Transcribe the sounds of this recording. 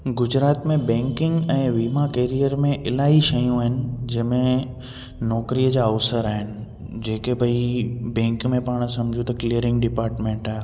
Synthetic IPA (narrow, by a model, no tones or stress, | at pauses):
ɡʊd͡ʑɾaːt̪mẽbɛ̃ːŋkɪ̃ŋɡɛ̃ːʋimakeːɾijəɾmẽʔɪlaːɦiʃɐjũaːɦɪnɪ̆d͡ʑɐɦmẽ | nɔːkɾijəd͡ʑaːɐʋsəɾaːɦɪnɪ̆ | d͡ʑeːkebʱɐibɛ̃ːŋkmẽpaːɽ̃sɐmd͡ʑʱũt̪ɐkɪlijəɾɪ̃ŋɡ̚ɖɪpaːɾʈmẽːɳʈaːe